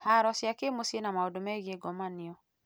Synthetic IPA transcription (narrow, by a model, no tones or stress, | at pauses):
haɾɔsjakemosienamaodomɛɣeɡɔmaniɔ